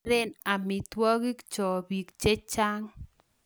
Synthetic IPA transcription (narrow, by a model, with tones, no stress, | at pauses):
ɾɛ˦na˨mi˨twɔ˦ɣi˦kt͡ʃɔ˨βi˨kt͡ʃe˦t͡ʃa˦ŋ